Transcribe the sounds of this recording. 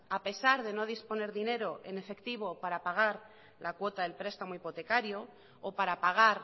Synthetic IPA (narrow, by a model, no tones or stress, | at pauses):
ape̞saɾðe̞no̞ð̞ispo̞ne̞ɾðine̞ɾo̞ʔe̞̰ne̞fe̞kt̪iβ̞o̞paɾapaɣ̞aɾ | lʔakwo̞t̪aðe̞lpɾe̞st̪amoipo̞t̪e̞kaɾjo̞ː | paɾapaɣ̞aɾ